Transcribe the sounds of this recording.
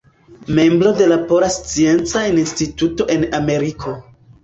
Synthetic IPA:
me̞mbɾo̞de̞lapo̞ɾast͡sie̞nt͡sainnstituto̞ʔe̞name̞ɾikʰo̞

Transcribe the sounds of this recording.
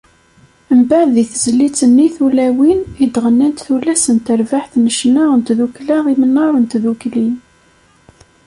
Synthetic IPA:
əmbaʕððiθəzlit͡sːənːiθulæwinid̪ʁənːænt̪θulæsənt̪əɾvaħθnəʃnaʁənt̪ðuklaʁimənːɑɾˤənt̪ðuklin

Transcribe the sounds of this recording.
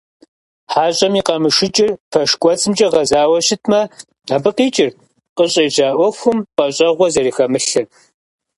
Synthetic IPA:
ħaːɕʼɐmiːqɐmɨʂɨt͡ʃʼɪrfʰɐʂkʷʼɔt͡sʰɨmt͡ʃʼɐʁɐzaːwɐɕɪtʰmɐ | aːbɨqiːt͡ʃʼɪr | qəɕʼɐjʑaːʔʷɔxʷʊmpʼɐɕʼɐʁʷɔzɐɾiːxɐmɨɬɨn

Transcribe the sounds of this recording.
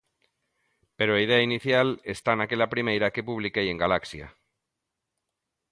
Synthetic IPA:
peɾoaið̞eainiθjalest̪anakeʎapɾimejɾake̞puβ̞likejeŋɡalaksja̰

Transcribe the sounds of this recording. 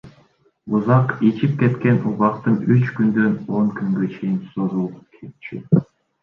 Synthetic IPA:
uzɑqit͡ʃip̚ke̞t̪ke̞nuʁɑqt̪ɯnyt͡ʃkynd̪ø̞no̞ŋkyŋɡø̞t͡ʃʰe̞jinsoɾulˠkʰet̪t͡ʃḭ

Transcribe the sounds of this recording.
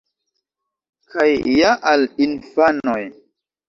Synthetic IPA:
kʰajːaʔalinfanoj

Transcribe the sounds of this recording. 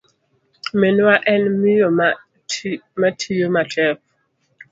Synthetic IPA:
menwaʔɛnmijom | matʰijomatʰɛf

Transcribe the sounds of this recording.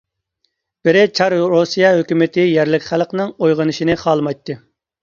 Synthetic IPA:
b̥ɪɾɪt͡ʃʰɑɾɾosijɑɦøkʲymɪt̪ʰɪjɛɾlɪkʲχælˠqnɨŋojʁənɨʃinɨχɑːlˠmɑjt̪ːɨ

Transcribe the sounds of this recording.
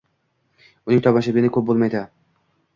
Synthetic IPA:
ʊnɪŋt̪ʰɒbaʃ̬abɪɪnɪkʰʲɵp̚bolˠmajd̪ɪ

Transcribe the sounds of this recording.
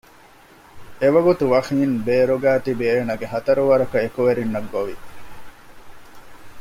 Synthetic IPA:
eʋɐɡut̪uʋɐxiːnbeːɾoɡæːt̪ibieːnɐɡeɦɐt̪ɐɾuʋɐɾɐkɐekuʋeɾinːɐɡːoʋi

